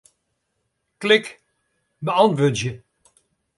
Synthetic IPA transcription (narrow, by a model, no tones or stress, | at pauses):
klɪk | bəɑntʋøːdjə